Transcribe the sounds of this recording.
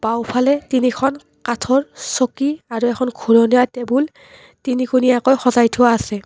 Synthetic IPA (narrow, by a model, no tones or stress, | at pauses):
b̥awpʰalɛtinikʰɔn | katʰɔɹsokiaɹuɛkʰɔnɡʱuɹɔniatɛbul | tinikuniakɔjxɔzajtʰʊwaːsɛ